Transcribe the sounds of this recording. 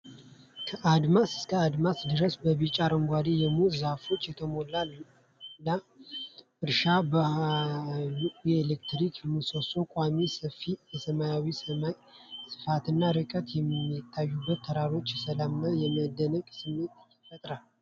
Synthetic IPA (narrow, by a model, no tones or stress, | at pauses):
kʰəʔad̪masɨ̥skʰəad̪masd̪ɨɾəsbəβɨt͡ʃʼaɾəŋɡʷad̪ejɛmuzafo̞t͡ʃːjɛt̪ʰəmo̞lal | la | ʔɨɾʃab | jelekt̪ɾikʰmɨsosokʷʼamisəfijɛsəmajawisəmaj | sɨ̥fat̪ɨnːaɾɨkʼət̪jɛmːit̪ʰːajːubːət̪ːʰəɾaɾo̞t͡ʃːsəlamːajɛməd̪ːənəɡʼsɨmːent̪ | fət̪ʼɾal